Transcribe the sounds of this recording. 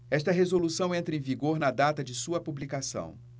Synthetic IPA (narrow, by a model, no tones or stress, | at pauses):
ɛʃt̪ɐɦezolusɐ̃w̃ẽnt̪ɾɐẽviɡoɾnɐd̪at̪ɐd͡ʒɪsuɐpublikasɐ̰̃w̃